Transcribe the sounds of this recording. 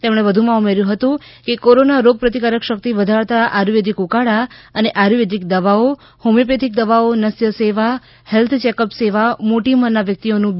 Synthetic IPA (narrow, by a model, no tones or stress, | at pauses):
t̪emɽ̃eʋəd̪ʱumãumeɾjũɦət̪ũkekoɾonaɾoɡ̚pɾət̪ikaɾəkʃək̚t̪iʋəd̪ʱaɭt̪aʔaɾʋed̪ʱikukaɽaəneʔaɾʋed̪ik̚d̪əʋao | homip̬ed̪ʱik̚d̪əʋaonəsjəseʋa | hɛlt̪ʰt͡ʃekəpseʋamoʈimənːaʋjək̚t̪ionũ